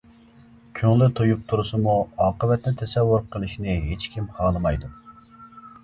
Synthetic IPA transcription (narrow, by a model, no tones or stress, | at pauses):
kʲʰøŋlɪt̪ʰojup̚t̪ʰuɾɨsɨmuɑːqəvɛt̪nɪt̪ʰɛsɛvːʊɾqʰəlˠɨʃnɪɦet͡ʃkʲʰimχʰɑːlˠɨmɑjd̪u